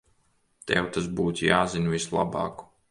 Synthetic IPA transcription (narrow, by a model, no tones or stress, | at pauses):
t̪ɛ̰wt̪asbuːt̪ʲjaːzinʲvislˠa̰bɑ̰ːku̥